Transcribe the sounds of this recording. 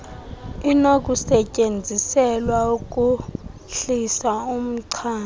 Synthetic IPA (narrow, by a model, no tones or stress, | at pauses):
inok̬ʼusɛcʼend͡zʱisɛlwauk̬ʼu | ɬisaum̩ǀʰaː